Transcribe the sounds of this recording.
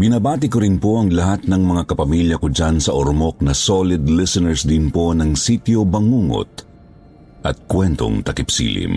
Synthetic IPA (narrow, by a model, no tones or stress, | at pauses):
bɪnabaːt̪ɪkoɾɪnpoʔɐŋlɐɦat̪̚nɐŋmɐŋakɐpɐmiljɐkod͡ʒansɐʔoɾmok̚nɐsolɪd̪lɪsɛnɛɹsd̪ɪnpo̞nɐŋsit̪jobɐŋuŋo̰t̪̚ | ʔɐt̪̚kwɛnt̪o̰ŋt̪ɐkɪpsḭlɪ̰m